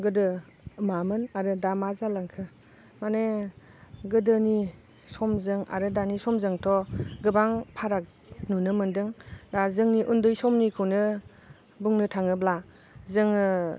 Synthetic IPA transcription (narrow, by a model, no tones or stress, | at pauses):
ɡɯdɯ | mamɯnaɾɯdamazalaŋkʰɯ | mane | ɡɯdɯni | sɔmzɯŋa̰ɾɯdanisɔmzɯŋtʰɔɡɯbaŋpʰaɾak̚ | nunɯmɯndɯŋdazɯŋniʔundɯjsɔmnikʰɯwnɯ | buŋnɯtʰaŋɯbla | zɯŋɯ